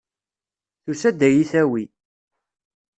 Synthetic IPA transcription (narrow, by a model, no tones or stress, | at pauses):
θusæd̪æjiθæwi